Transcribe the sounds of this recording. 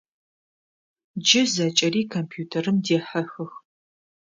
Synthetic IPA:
d͡ʒɪzɐt͡ʃʼɐriːkʰompʰjuːtʰɐrɨmdeːħɐxɨx

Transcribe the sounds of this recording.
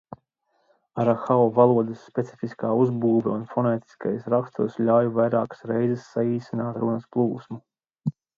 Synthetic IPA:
aɾaxaɔvalˠuɔd̪əsːpʲet̪si̥fiskaːuzbuːvɛunfɔnɛːt̪i̥skajsɾakst̪usʎʲaːjuvajɾaːkḁsɾɛjzɛsːaiːsinaːt̪ɾunɐsplˠuːsmu

